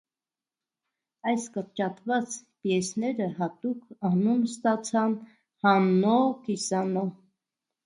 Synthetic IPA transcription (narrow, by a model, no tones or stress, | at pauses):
ɑjskəɾt͡ʃɑt̪vɑt͡spjɛsnɛɾəɦɑt̪ukʰɑnunst̪ɑt͡sʰɑn | hɑnɔkisɑnɔ